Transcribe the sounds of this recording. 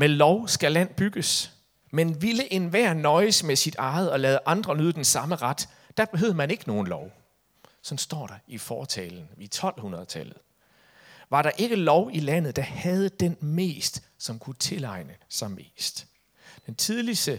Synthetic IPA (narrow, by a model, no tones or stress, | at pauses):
melɒʊsɡ̥ælæn̰b̥yɡ̥əs | menʋiləʔe̝nʋæɐnɒ̽ɪəsmesid̥ɑ̈ːð̞̩ˠɒ̽lɛːðˠəʔɑ̈nd̥ʁɐnøðˠd̥ensɑ̈məʁɑd̥ | d̥æb̥eɦøð̰̩ˠmæne̝ɡ̥əno̝ːn̩lɒʊ | sɒ̽nsd̥ɒ̰ːɾ̥ɑ̈ifɒːt͡sʰɛːln̩ʋit͡sʰɒ̽l̰hunʁɐðˠt͡sʰælð̞̩ˠ | ʋɑ̈ɾɑ̈ʔe̝ɡ̥əlɒʊilæn̰ð̞̩ˠd̥ɑ̈hæð̞ˠəd̥enme̝̰ːsd̥sɒ̽mkʰut͡sʰe̝lɑ̈ɪnəsɑ̈ɪme̝̰ːsd̥ | d̥ent͡sʰiðˠlisd̥ə